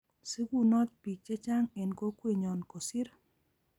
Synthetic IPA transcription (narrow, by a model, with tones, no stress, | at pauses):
se˦ɡu˦nɔ˦t̪̚pi˨t͡ʃɛ˦t͡ʃa˦ŋe˨nko˦kwe˨ɲɔ˨nko˨si˦ɾ